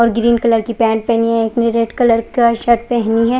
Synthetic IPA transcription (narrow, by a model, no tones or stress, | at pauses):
ɔːɾɡɾiːnkɐləɾkipɛ̃ːɳʈ̚pɛɦniɦɛeːknɪɾeːʈkɐləɾkaʃɐʈ̚pɛɦniɦɛː